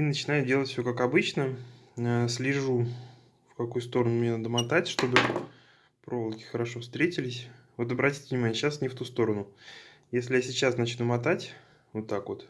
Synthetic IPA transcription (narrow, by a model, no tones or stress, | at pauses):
inət͡ɕɪnajʊdʲelˠətʲfʲsʲokakɐbɨt͡ɕnəəsʲlʲɪʐu | fkɐkujʊst̪o̞ɾənʊmʲnʲenad̪əmat̪atʲʂt̪o̞bɨ | pɾo̞vəlˠkʲɪ̥xəɾɐʂo̞fst̪ɾʲetʲɪlʲɪsʲvo̞t̪̬ɐbɾɐtʲi̥tʲɪvnʲɪmanʲɪjəɕasnʲɪft̪ust̪o̞ɾənʊ | jesʲlʲɪjasʲɪt͡ɕasnɐt͡ɕnumɐt̪atʲ | vot̪ːakvo̞t̪